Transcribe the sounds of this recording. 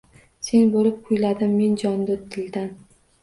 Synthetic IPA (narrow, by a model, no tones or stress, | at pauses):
se̞nbolɪp̚qʰʊjlad̪ɪmːe̞nd͡ʒɒnd̪ʊt̪ʰɪld̪an